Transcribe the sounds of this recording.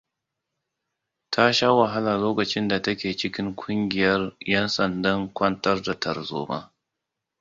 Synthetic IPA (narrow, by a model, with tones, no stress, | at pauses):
tʰa˦ʃa˦wa˨ɦa˦la˨loː˦kɐ˨t͡ʃɪ˦nda˨tɐ˦kʲeː˨t͡ʃɪ˦kʲɪ˦ŋkʷʰʼʊ˦ŋɡʲɪ˨jɐ˦rjɛ˦nsɐ˨ndɐ˦ŋkʷɐ˦ntɐ˦rda˨tɐ˨rzo̰ː˦ba̰˦